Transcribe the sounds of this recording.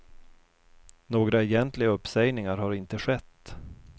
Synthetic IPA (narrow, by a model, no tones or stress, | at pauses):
noːɡɾaɛjɛnt̪lɪɡaɵpːsɛjnɪŋaɾhaɾɪnt̪əɧɛt̪ː